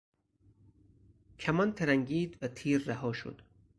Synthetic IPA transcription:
kʰæmɒnt̪ʰeɾæŋɟiːd̪væt̪ʰiːɾːæhɒːʃo̰d̪̥

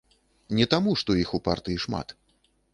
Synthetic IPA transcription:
nʲɛt̪amuʂt̪ɔixupart̪ɨjiʂma̰t̪

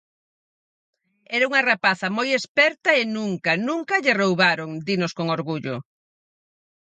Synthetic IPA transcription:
ɛɾauŋɐrapaθɐmojespɛɾt̪ɐenuŋkɐnũŋkɐʎɪrowβaɾoŋd̪inʊskoŋoɾɣuʎʊ

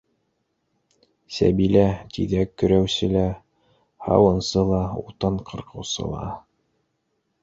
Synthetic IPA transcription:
sæ̰bilæt̪iðækːɵ̆ɾæwsɘlæ | hɑ̰wɤ̆nsɤlˠɑṵt̪ɤɴqʰɤ̆ɾqɤ̆wsɤ̰lˠɑ̰

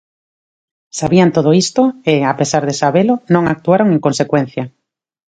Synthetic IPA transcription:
saβiant̪oðoist̪oeapesaɾðesaβelonõŋak̚t̪uaɾoŋeŋkonsekwen̟θja

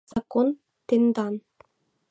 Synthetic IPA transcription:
z̥ɑkon | t̪end̪ɑn

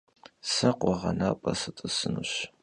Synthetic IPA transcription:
sɐqʷʼɔʁɐnaːpʼɐsɨtʼɨsɨnuɕ

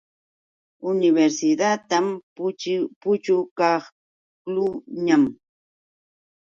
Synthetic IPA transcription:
ʊnɪβeɾsɪd̪at̪am | pʊt͡ʃʊkɑχ | klʊɲam

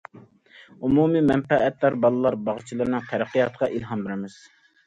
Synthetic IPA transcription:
umumimɛnpɛʔːt̪læɾbɑlˠɨlˠɑɾbɑʁt͡ʃʰilˠɨɾnɨŋt̪ʰɛɾæqːijɑt̪qɑʔilɦɑmbɪɾɪmɪz̥

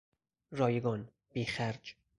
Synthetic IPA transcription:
ɾɒːjeɡɒn | b̥iːxæɾd͡ʒ

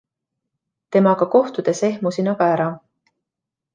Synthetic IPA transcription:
t̪e̞mɑɡ̥ɑko̞ht̪ud̪̥e̞se̞hmusinɑɡ̥ɑæɾɑ

